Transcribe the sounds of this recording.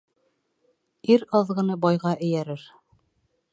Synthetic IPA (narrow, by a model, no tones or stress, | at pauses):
iɾɑðʁɤ̆nɤbɑjʁɑʔɘ̆jæɾɘɾ